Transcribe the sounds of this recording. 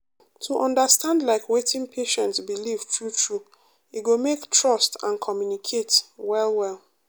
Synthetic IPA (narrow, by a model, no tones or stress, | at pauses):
tʰuʔɔ̃ndəstãndlaɪkwetɪ̃ŋpʰeʃɛ̃ntsbilivtʰɹutʰɹu | iɡomektɹɔstãnkʰɔmjunikʰetwɛlwɛlˠ